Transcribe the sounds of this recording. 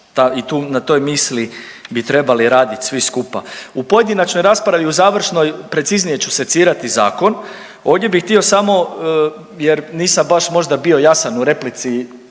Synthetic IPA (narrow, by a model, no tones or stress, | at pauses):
t̪ait̪uːnat̪o̞jmisli | bit̪ɾe̞baliɾaːd̪it̪ʲsʋiskupa̰upo̞je̞d̪inat͡ʃno̞jɾaːspɾaʋiuzaːʋr̩ʃno̞jpɾe̞t̪siznije̞t͡ɕuse̞t̪siːɾat̪iza̰ːko̞n | o̞ːʋvd̪je̞bixt̪io̞samo̞ | jeɾniːsambaʃmo̞ʒd̪abio̞jasanuɾe̞plit̪si